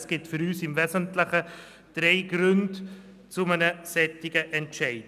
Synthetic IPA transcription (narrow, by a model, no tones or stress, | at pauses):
sɡ̥ɪtfʏɾyːsɪmvɛszəntləχə | d̥ɾeɪɡɾʉnd | t͡sʊmənəsɛtɪɡəʔɛntʃɛɪd